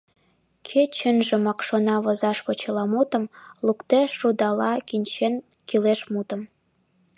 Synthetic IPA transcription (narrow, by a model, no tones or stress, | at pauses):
kʰet͡ɕənʒĕmɑkʃonɑβŏzɑʃpot͡ɕəlɑmut̪ə̆mlukt̪eʃːud̪ɑlɑkinʲt͡ɕen | kileʃmut̪ə̆m